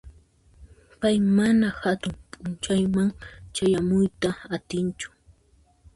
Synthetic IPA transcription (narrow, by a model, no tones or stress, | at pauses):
pajmanahat̪ʊmpʼʊnt͡ʃajmaŋt͡ʃajamʊjt̪aat̪ɪnt͡ʃʊ̥